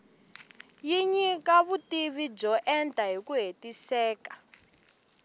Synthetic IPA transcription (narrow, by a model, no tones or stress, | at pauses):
jiɲikaβutiβid͡ʒɔʔɛntʼaɦikuɦetisɛːkḁ